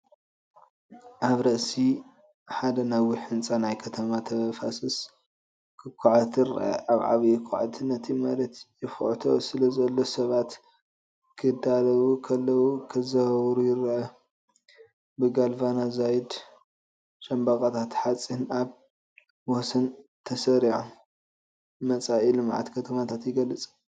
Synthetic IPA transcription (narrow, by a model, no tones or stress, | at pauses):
ʔaβɾɐʔsi | ħad̪ɐnɐwiħɨnt͡sʼanajkʰɐt̪ʰɐmat̪ʰɐɐfasɨs | kʰɨkʰːaʕat̪ɨɾʔɐ̰ʔaβʕa̰βjɪkʰːa̰ʕa̰t̪ʰɨnːɐt̪ʰimalɐt̪jɪfʔt̪ʰosɨlɐzɐlːo̞sɐβat̪ | kʰɨd̪alɐwukʰɐlːɐwukʰɨzɐhɐβɾujɪɾʕɐ | bɨɡalvanazajid̪ | ʃɐmbakʼat̪ʰat̪ħat͡sʼinaβ | wɔsɐnt̪ʰɐsɐɾiʕu | mɐt͡sʼaʔilɨmʕa̰t̪kʰɐt̪ʰɐmat̪ʰat̪jɪɡɐlːɨt͡sʼ